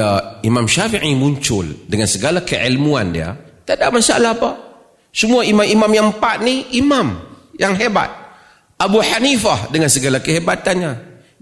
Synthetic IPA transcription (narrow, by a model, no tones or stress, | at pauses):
aimamʃafiʕimuɲt͡ʃʊldəŋansəɡalakəʕilmuandḭa̰t̪adaʔmasa̰lahapa | səmuaimamimamjaŋpaʔniimam | jaŋɦeba̰t̪̚ | ʔabuħanifahdəŋansəɡalakəɦebat̪anɲa